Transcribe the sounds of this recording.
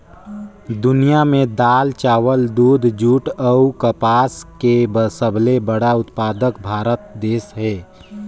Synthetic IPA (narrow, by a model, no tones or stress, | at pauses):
d̪ʊnijamẽd̪aːlt͡ʃaːwəld̪uːd̪ʱd͡ʒuːʈəukəpaːskebəsəbʱlebəɽaʊt̪paːd̪əkbʱaːɾət̪̚d̪eːsɦɛː